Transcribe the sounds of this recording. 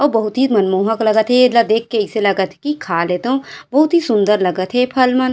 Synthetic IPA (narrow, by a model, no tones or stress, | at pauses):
ɔːbɐɦʊt̪ɦimɐnmoːɦəklɐɡət̪ʰɦed̪lad̪eːkʰːeɪselɐɡət̪ʰkikʰaːleːt̪ɦũbɐɦʊt̪ɦisʊ̃nd̪əɾlɐɡət̪ɦepʰɐlmɐn